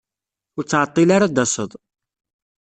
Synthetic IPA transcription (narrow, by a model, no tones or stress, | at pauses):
ʊɾt͡sːʕət̪ˤːilaɾad̪ɑsˤəðˤ